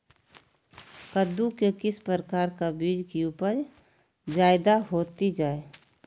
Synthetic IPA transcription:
kəd̪ukekɪspɾəɾəkaːɾkabiːd͡ʒkiuːpəɾ | d͡ʒaːɪd̪aɦoːt̪id͡ʒaːe

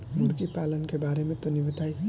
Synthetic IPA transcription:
muɾkipalʌnkebaɾemet̪onibət̪aj

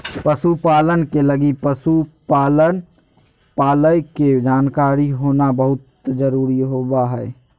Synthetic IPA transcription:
pəsupaːlənkeləɡipəsupaːlən | paːləjked͡ʒaːnkaːɾiɦoːnabəɦʊt̪d͡ʒəɾuːɾiɦoːbaɦɛː

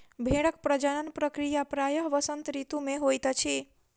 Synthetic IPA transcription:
bʱeɽəkpɾəd͡ʒənənpɾəkɾijapɾajəɦʋəsənt̪ɾit̪ũmeɦojt̪t͡ʃʰi

